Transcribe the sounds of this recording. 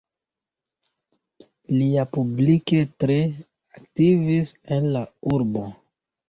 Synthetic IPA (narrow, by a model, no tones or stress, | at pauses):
liapublike̞tɾe̞ | aktivisenlauɾbo̞